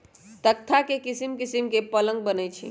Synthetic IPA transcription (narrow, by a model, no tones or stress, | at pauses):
t̪ək̚t̪ʰakekisimkisimkepələ̃ŋɡ̚bənət͡ʃʰḭ